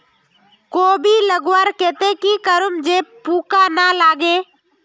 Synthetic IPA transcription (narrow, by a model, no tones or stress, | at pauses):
koːbʱiləɡwaɾkeːt̪ekikəɾʊmd͡ʒeːpuːkanalaːɡeː